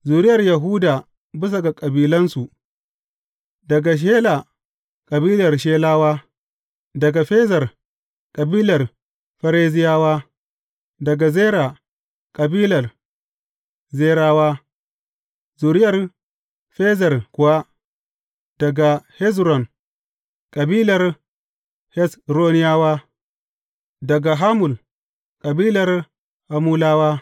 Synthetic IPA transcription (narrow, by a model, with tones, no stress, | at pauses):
zuː˨ɾɪ˦jɐ˨rja˨ɦu˦daː˨ | bɪ˦s̬a˨ɡa˨kʼɐ˨biː˨lɐ˦nsu˨ʔ | dɐ˨ɡa˨ʃ̬eː˦la˨ | kʼɐ˨biː˦lɐ˨rʃ̬eː˦laː˦waː˦ | dɐ˨ɡa˨ɸeː˦zɐ˨r | kʼɐ˨biː˦lɐ˨r | ɸɐ˦ɾeː˦zɪ˦jaː˦waː˦ | dɐ˨ɡa˨zeː˦ɾa˨ | kʼɐ˨biː˦lɐ˨r | ze˦ɾa˦wa˦ | zu˨ɾi˦ja˨ɾ | fe˦za˨ɾku˨wa˦ | d̥a˨ɡa˨he˦s̬ɾo˨n | kʼa˨bi˦la˨ɾ | he˦sɾo˦ni˦ja˦wa˦ | da˨ɡa˨ɦa˦mu˨l | kʼa˨biː˦la˨ɾ | ha˨mu˦la˦wa˦